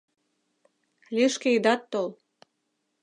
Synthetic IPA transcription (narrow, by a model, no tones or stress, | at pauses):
lʲiʃkeid̪ɑt̪ːol